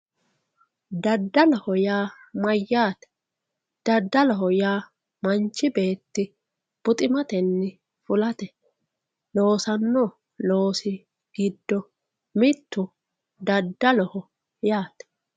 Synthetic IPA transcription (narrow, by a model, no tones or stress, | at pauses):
d̪ɐd̪ːɐlɔhɔjaː | mɐjːaːt̪ɛ̥ | d̪̥ɐd̪ːɐlɔɦɔjaː | mɐnt͡ʃːɪbe̞ːt̪ːɪ | b̥ʊt̪ʼɪmɐt̪ɛnːɪ | fʊlɐt̪ɛ | lo̞ːsɐnːɔ | lo̞ːsɪ | ɡ̥ɪd̪ːɔ | mɪt̪ːʊ | d̪ɐd̪ːɐlɔhɔ | jaːt̪ɛ̥